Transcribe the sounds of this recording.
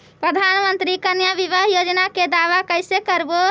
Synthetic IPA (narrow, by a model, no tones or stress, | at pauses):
pɾəd̪ʱanmənt̪ɾikənjabibəɦjod͡ʒnaked̪aʋakəjsekəɾbo